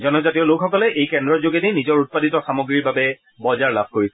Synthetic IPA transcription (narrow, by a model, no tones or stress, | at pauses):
zɔnɔzatijɔlokxɔkɔlɛʔejkɛndɹɔɹzoɡɛdejnizɔɹut̚paditɔxamoɡɹiɹbabɛ | bɔzaɹlab̚ʱkoɹisɛ